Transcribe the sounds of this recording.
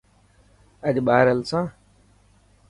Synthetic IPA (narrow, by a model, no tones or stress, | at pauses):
əʄɓaːɾəlsãː